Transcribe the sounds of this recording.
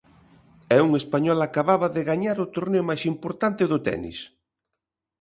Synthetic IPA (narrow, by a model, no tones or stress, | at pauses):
ɛuŋespaɲɔlakaβaβɐðɪɣaɲaɾʊt̪oɾneʊmajsimpoɾt̪ant̪ɪðʊt̪ɛ̰nḭs